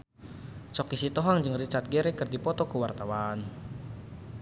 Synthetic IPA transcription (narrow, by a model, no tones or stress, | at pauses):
t͡ʃɔkisit̪ɔɦaŋd͡ʒɨŋrit͡ʃat̪̚ɡeɾɛkɨrdipɔt̪ɔkuwart̪awan